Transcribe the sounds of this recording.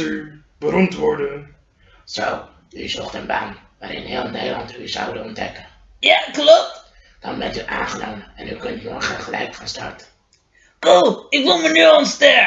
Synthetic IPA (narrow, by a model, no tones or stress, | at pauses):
ybəɾɔmtʋɔɹdə | z̥ow | yzɔχtənbaːnʋaːɾɪ̰nɦeːlˠnejdəlɑntyzɑwdənɔndɛkəjaklɔp̚t | d̥ɑnbɛntyʔaːnχənowməɛnykɵntnɔɹχəχəlɛjkχaːnstɑ̰ɹtə̥ | kulˠɪkʋɪlˠmənyɔnstɛ